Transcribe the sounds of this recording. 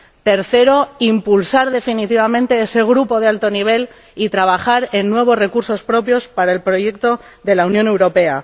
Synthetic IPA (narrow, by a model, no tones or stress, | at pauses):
t̪e̞ɾθe̞ɾo̞impulsaɾðe̞finit̪iβ̞amẽ̞nt̪e̞ese̞ɣ̞ɾupo̞ðealt̪o̞niβ̞e̞l | it̪ɾaβ̞axaɾe̞nːwe̞β̞o̞sre̞kuɾso̞spɾo̞pjo̞spaɾae̞lpɾo̞je̞k̚t̪o̞ | ðe̞launjone̞wɾo̞pe̞a̰